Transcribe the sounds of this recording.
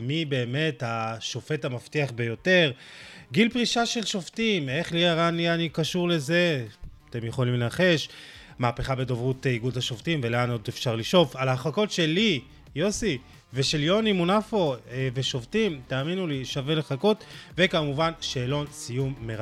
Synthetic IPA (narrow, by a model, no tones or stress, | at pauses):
mibe̞ːme̞thaʃo̞fe̞tamaftiaχbe̞jo̞te̞ʁɡilpʁiʃaʃe̞lʃo̞ftime̞χliaʁanianikaʃuʁle̞ze̞at̪e̞mjeχo̞limleaχe̞ʃ | maːpeχabe̞do̞vʁutiɡudhaʃoftimveleanodefʃaʁliʃo̞falaaχako̞tʃe̞li | jo̞si | ve̞ʃe̞ljo̞nimunafo̞veʃo̞ftimt̪aːminuliʃave̞leχako̞tve̞kamuvanʃeːlo̞nsijumːeʁ